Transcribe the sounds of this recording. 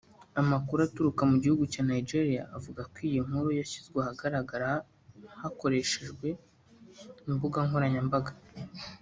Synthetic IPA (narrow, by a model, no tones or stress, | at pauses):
amakuɾatuɾukamuɟihuɡucaːnaid͡ʒe̞ɾija̰ʔːvuɡakwiːjiŋ̥huɾojaçizɡwehaɡaɾaɡaɾa | hako̞ɾe̞ʃe̞ʒɡwe̞ | imbuɡaŋhoɾaɲambaɡa